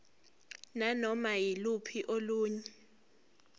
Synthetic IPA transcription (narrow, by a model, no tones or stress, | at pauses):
nanɔmajilupʰiʔoluːɲɛ